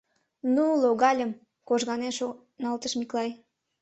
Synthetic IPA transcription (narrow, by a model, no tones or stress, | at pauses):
nuloɣɑlʲəm | koʒɣɑneʃo | nɑlt̪əʃmiklɑj